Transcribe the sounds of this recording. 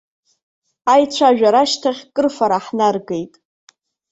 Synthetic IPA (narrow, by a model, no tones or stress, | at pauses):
ajt͡ɕʷʰaʒᶣaɾaʃtʰaχʲkʼɨrfaɾaħnarɡejtʼ